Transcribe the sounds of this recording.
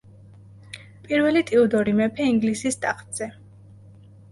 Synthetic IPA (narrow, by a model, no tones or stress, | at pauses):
pʼiɾvɛlit̪ʼiud̪ɔɾimɛpʰɛiŋɡlisist̪ʼaχʰʼt̪ʼz̥ɛ